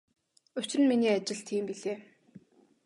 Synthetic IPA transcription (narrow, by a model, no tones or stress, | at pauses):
ɵt͡ɕrɘ̆nminiːat͡ɕɪ̆ɮt̪ʰiːmpiɮeː